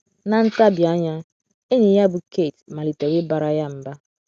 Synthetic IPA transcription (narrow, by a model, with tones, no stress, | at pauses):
na˨n̩˦ta˦bi˨a˦ɲa˦ | e˦ɲi˨ja˦bʊ˨ke˦˨tma˨li˨te˨we˦ba˨ɾa˨ja˦m̩˨ba˦